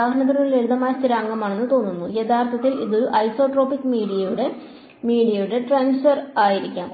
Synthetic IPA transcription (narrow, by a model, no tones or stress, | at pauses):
aːɡʱɐɳɐðɐɾɐnile̞ɻuðɐmaːjɐst̪iɾaːŋɡɐmaːɳe̞nːɨt̪o̞ːnːunːujet̪ʰaːrt̪ʰɐt̪ːiliðo̞ɾuʔɐjso̞ːʈro̞ːpikːmiːɽijɐjuɽe̞ | miːɽijɐjuɽe̞ʈraːnsfɐraːjiɾikʲːaːm